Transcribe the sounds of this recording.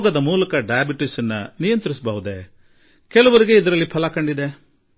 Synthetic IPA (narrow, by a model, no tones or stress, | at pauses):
ɡɐd̪ɐmuːlɐkɐɖɐjɐbiʈisɐnːɐ̰nijɐnt̪ɾisɐbɐʋud̪e | kɛlɐʋɐɾiɡeid̪ɐɾɐlːipʰɐlɐkɐɳɖid̪e̞